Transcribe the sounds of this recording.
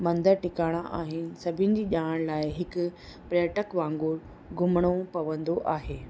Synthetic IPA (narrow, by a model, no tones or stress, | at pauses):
mɐ̃nd̪əɾʈɪkaːɽ̃aʔaːɦɪnɪ̆sɐbʱɪnɪ̆d͡ʑiːʄaːəɽ̃laːɪɦɪkʊ̆ | pɾejəʈəkʋãːŋɡʊːɾ | ɡʊmɽ̃opɐʋə̃nd̪oʔaːɦeː